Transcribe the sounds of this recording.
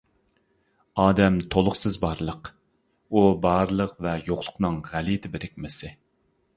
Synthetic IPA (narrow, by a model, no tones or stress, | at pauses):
ɑːd̪ɛmt̪ʰolˠʊχsɨzbɑɾlˠəq | ubɑɾlˠəqvɛjoχlˠʊ̥qnɨŋʁælit̪ʰɪbɪɾɪk̚ʲmɪsɪ